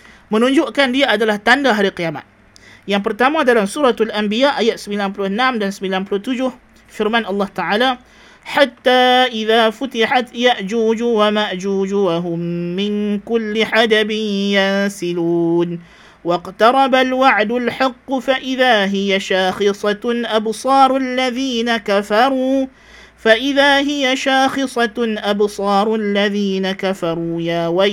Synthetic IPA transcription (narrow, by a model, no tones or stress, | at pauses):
mənuɲd͡ʒʊʔkandiaadalaht̪andaɦaɾikijama̰t̪̚ | jaŋp̬ərt̪amadalamsuɾɑt̪alʔambiaʔajat̪̚səmbilanpulʊhənamdansəmbilanpulʊht̪ud͡ʒʊh | fɪrmanɑlːɑht̪aʕala | ħat̪ːaːʔiðaːfut̪iħat̪jaʔd͡ʒuːd͡ʒuwamaʔd͡ʒuːd͡ʒuwaɦʊmːɪŋkʊlːiħad̪abɪnjansɪluːn | wɑqt̪ɑɾˤɑbalwaʕd̪ʊlħɪqːʊfaʔɪðaːɦɪjaʃaːxɨsˤɑʔabsˤɑːɾˤalːaðiːnakafɑɾˤuː | faʔɪðaːɦɪjaʃaːxɨsˤɑʔabsˤɑːɾˤʔalːaðiːnakafɑɾˤuːjaːwa